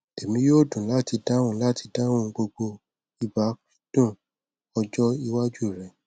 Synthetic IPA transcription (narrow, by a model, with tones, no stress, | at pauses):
e˨mĩ˦jo˦˨dũ˨la˦˨ti˧da˦wũ˦la˦˨ti˧da˦w̃ũ˧ɡ͡bo˧ɡ͡bo˧ | i˨ba˨˦ki̥˦d̥ũ˦˨ | ɔ˧d͡ʒɔ˦i˧wa˦d͡ʒu˦˨ɾɛ˨˦